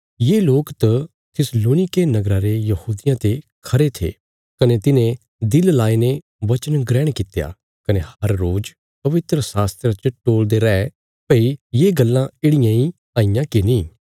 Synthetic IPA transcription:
jeːloːkt̪ɐ | t̪ʰɪsloːnɪkenɐɡɾaɾejɐhuːd̪ɪjãt̪ekʰɐɾet̪ʰḛː | kɐnet̪ɪnẽ | d̪ɪllaːene | ʋɐt͡ʃənɡɾɛːɽ̃kɪt̪eja̰ | kɐnehɐɾːoːd͡ʒ | pɐʋɪt̪ɾəsaːst̪ɾat͡ʃəʈoːld̪eɾɛɛ | pɐijeːɡɐlːãeːɽɪjãi | aːɪjãkenĩː

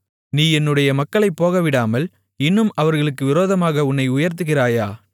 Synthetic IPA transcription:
niːɛnːɯɽɐjɐmɐkːɐɭɐɪpːoːɣɐʋɪɽaːmɐl | ɪnːɯmʔɐʋɐɾɣɐɭɯkːɯʋɪɾoːðɐmaːɣɐʊnːɐɪʊjɐɾt̪ɯɣɪraːjaː

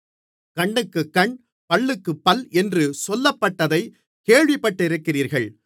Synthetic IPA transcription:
kɐɳːɯkːɯkɐɳ | pɐɭːɯkːɯpːɐlʔɛndrɯsɔlːɐpːɐʈːɐðɐɪ | keːɻʋɪpːɐʈːɪɪɾɯkːɪriːɾɣɐɭ

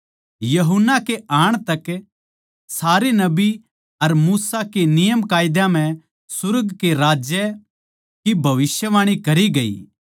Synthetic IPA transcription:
jɐɦʊnːakeaːɽ̃t̪ɐk | saːɾenɐbi | ɐɾmuːsakenɪjəmkaːjd̪jãm̤ɛ̃ | sʊɾɡkeɾaːd͡ʒjɛ | kibʱɐʋɪsjəʋaːɽ̃ikɐɾiɡɐḭː

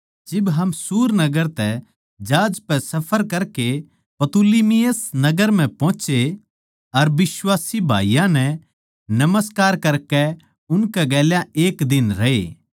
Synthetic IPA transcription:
d͡ʒɪbɦɐmsuːɾnɐɡəɾt̪ɛ | d͡ʒaːd͡ʒpɛsɐpʰəɾkɐɾke | pɐt̪uliːmijəsnɐɡəɾm̤ɛ̃pɔ̃ːt͡ʃe | ɐɾbɪswaːsibʱa̰ːijãnɛ̃ | nɐməskaːɾkɐɾkɛ | ʊnkɛɡɛːljãeːkd̪ɪnɾɐḛː

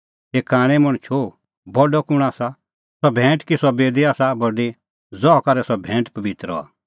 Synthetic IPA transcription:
ɦeːkaːɽ̃ɛmɔɽ̃t͡ʃʰo | bɔɖɔkʊɽ̃aːsa | sɔbʱɛ̃ːʈkisɔbeːd̪iaːsabɔɖe | d͡zɔɔkɐɾɛsɔbʱɛ̃ːʈpɐbɪt̪ɾɔ̰a̰ː

